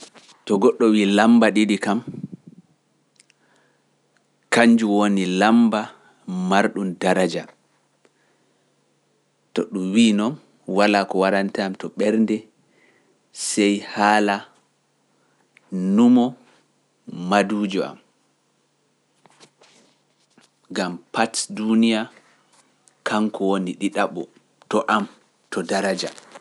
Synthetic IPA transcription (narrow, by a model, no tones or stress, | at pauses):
tɔɡɔɗːɔwiːlambaɗiɗikam | kaɲd͡ʒuwonilamba | maɾɗundaɾad͡ʒa | tɔ̰ɗumwiːnɔn | walaːkɔwaɾantɛamtɔɓɛɾndɛ | sɛjhaːla | numɔ | aduːd͡ʒɔa̰m | ɡampatdunija | kʰaŋkɔwoniɗiɗaɓɔ̰ | tɔʔam | tɔdaɾad͡ʒa